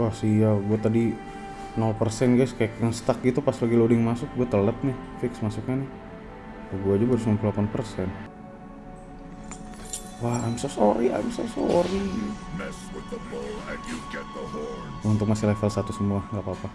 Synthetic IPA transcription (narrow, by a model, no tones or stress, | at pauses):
wahsijaɡuat̪adi | nɔlpərsɛnɡajskajakjaŋst̪ak̚ɡit̪upaslaɡilodɪŋmasʊk̚ɡuat̪ələt̪̚nɪfɪksmasukɲanɪ | kaɡuad͡ʒabaɾʊsŋanpulapanpərsɛn | wahamsosoɾia̰jmso̰so̰ɾinasut̪əmoad͡ʒut͡ʃat̪oh | unt̪ʊk̚masɪhlɛfəlsat̪usəmuaŋɡapapa